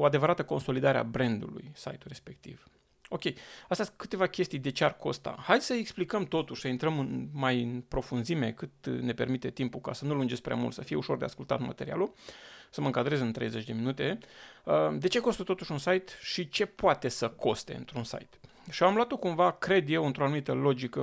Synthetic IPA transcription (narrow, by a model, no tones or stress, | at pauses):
oad̪e̞vəɾat̪əko̞nso̞lid̪aɾea̰bɾe̞nd̪ṵlṵjsa̰jt̪uɾe̞spe̞k̚t̪ḭv̥ | o̞kʲe̞jast̪easkɨ̥t̪e̞vakʲe̞st̪ijd̪e̞t͡ʃearko̞̰st̪a̰hajd̪ʲsəeksplikəmt̪o̞t̪uʃʲsəint̪ɾəmɨnmajɨnpɾo̞funzime̞kɨt̪ne̞pe̞̰rmit̪e̞t̪impukasənulund͡ʒespɾea̰mṵlt̪səfijeuʃo̞rd̪e̞askult̪a̰t̪ma̰t̪e̞ɾia̰lusəməɨŋkad̪ɾe̞zɨnt̪ɾe̞jze̞t͡ʃʲd̪eminut̪e̞əd̪e̞t͡ʃe̞ko̞st̪ət̪o̞t̪uʃunsajt̪ʃit͡ʃe̞poat̪e̞səko̞st̪e̞̰ɨ̰nt̪ɾunsa̰jt̪ | ʃioamloat̪okumvakɾe̞d̪je̞wɨnt̪ɾo̞anumit̪əlo̞d͡ʒikə